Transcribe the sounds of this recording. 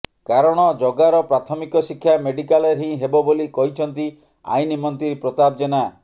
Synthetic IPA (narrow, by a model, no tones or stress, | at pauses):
kaɾɔɽ̃ɔd͡ʒɔɡaɾɔpɾat̪ʰɔmikɔsikʰːjameɖikaleɾɦĩɦebɔbolikɔɦit͡ʃʰɔnt̪i | a̰jnimɔnt̪ɾiɾpɾɔt̪ab̚d͡ʒena